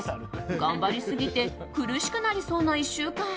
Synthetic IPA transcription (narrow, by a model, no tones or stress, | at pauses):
ɡãmbaɾʲisɨɡʲit̪e̞ | kɯ̟ɾɯ̟ɕi̥kɯ̟naɾʲiso̞ːnaiɕːɨːkã